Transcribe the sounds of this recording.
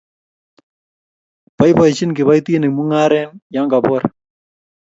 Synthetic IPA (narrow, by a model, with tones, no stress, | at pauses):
b̥a˦jpa˨jt͡ʃɪ˦nkɪ˨βa˦jt̪i˦nɪ˨mu˦ŋa˦ɾɛ˦nja˦ŋka˨pɔ˦ɾ